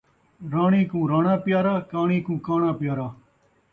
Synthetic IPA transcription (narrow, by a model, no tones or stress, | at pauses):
ɾaːɳĩːkũːɾaːɳãːpjaːɾaːkaːɳiːkũːkaːɳãːpɪjaːɾaː